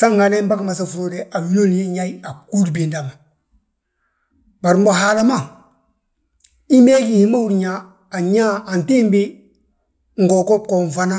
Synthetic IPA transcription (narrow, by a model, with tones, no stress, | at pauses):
sa˦ŋa˨le˦m˦ba˦kma˨s̬a˨fu˨o˦dɛ˨ʔa˨wi˦o˦lje˦ɲa˦i˦a˨ku˦ɾbi˨nda˨ma˨ | ba˨ɾmbo˨ɦa˦˨la˦ma˦˨ | i˦me˦ɡi˦˨hi˦ma˦wu˦ɾɲaː˨˦˨ | ɲa˦a˨n˨ti˦n˦bi˦ | ŋ̩˨ɡo˨ko˦p̚ko˨ɱ˨fa˦na˦